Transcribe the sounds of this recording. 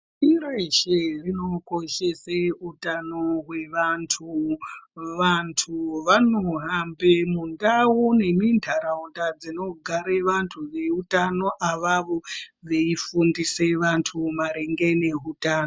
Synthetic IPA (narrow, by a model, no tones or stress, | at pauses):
iɾeʃerino̞koʃeseutanoɦwe̞ʋantʰu | ʋantʰuʋanoɦambemundawune̞mindʱaɾaundad͡zino̞ɡʱaɾeʋantʰuʋe̞utano̞ʔaʋaʋo̞ʋe̞ifundiseʋantʰumaɾeŋɡeneɦutaːno